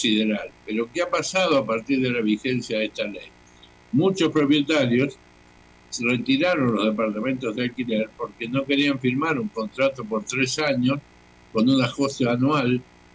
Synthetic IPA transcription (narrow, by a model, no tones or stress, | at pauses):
siðeɾalpe̞ɾo̞keapasað̞oapaɾt̪iɾðe̞laβ̞ixe̞nsjaðest̪alej | mut͡ʃo̞spɾo̞pje̞t̪aɾjo̞s | re̞t̪iɾaɾo̞nlo̞zðe̞paɾt̪amẽ̞nt̪o̞zðealkileɾpo̞ɾke̞no̞ke̞ɾiaɱfiɾmaɾuŋko̞nt̪ɾat̪o̞p̬o̞ɾt̪ɾe̞saɲo̞s | ko̞nunaxo̞sjoanwal